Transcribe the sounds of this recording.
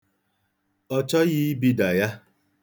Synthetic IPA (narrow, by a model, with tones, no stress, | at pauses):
ɔ˦t͡ʃɔ˦ji˦i˦bi˦da˨ja˦